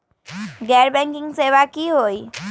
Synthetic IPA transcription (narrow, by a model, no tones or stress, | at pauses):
ɡɛɾbɛ̃ŋkɪ̃ŋɡseʋakiɦoj